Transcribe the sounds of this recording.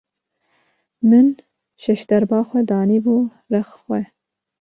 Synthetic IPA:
mɨn | ʃɛʃd̪ɐɾbɑːxʷɛd̪ɑːniːbu | rɛxxʷɛ

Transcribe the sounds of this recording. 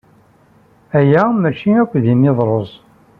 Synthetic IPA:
æjæmæt͡ʃiækʷːðimeðˤɾˤozˤ

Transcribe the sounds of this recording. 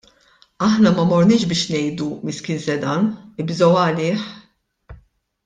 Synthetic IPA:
ɐħnɐmɐmɔɾnɪːʃbɪːʃnɛjd̪umɪskɪnsɛd̪ɐnɪbzɔwɐlɪːħ

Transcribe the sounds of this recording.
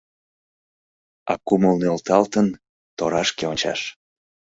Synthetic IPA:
ɑ̰kuməlnolt̪ɑlt̪ən | t̪oɾɑʃkeonʲt͡ɕɑ̰ʃ

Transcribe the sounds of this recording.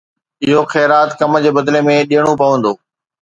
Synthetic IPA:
ɪɦoxɛːɾaːt̪kɐmd͡ʑeːbɐd̪lemẽɗijəɽ̃opɐʋə̃nd̪oː

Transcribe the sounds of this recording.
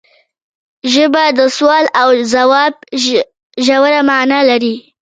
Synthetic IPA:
ʒəbad̪əswɑlawzawɑb̚ | ʒawaɾamanalaɾi

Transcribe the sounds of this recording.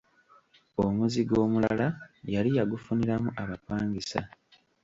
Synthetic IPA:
omuziɡo̞ːmula̰lajalijaɡufuniɾamuʔaβapaːŋɡisa̰

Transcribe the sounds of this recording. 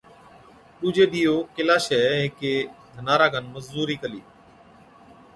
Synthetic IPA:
ɗuːd͡ʒeːɗ̪iːoːkɪlaːʃɛːɦɪkeːd̪ʱənaːɾaːɡʱənməzuːɾiːkəliː

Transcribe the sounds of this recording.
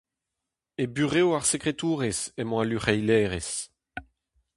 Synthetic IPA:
ebyʁeoaʁsekʁet̪uːʁesɛmɔ̃alyχɛjlɛːʁes

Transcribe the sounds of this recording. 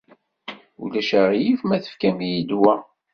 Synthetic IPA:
ṵlæʃæʁjifmæθə̥fkæmijid̪wæ

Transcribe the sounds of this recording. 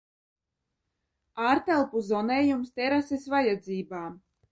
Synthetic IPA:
aːɾt̪ɛlˠpuzɔnɛːjumst̪ʲɛɾasesvajad̪ziːbaː

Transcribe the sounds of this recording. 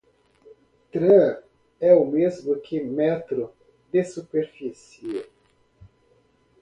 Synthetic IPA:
t̪ɾe | ɛʊmezmʊkʰɪmɛt̪ɾʊ | d̪esupeɾfis | ie

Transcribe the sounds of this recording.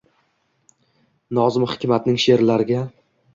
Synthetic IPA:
nɒzɪmhɪ̥kʲʰmat̪nɪŋʃe̞ɾlaɾɪɡʲa

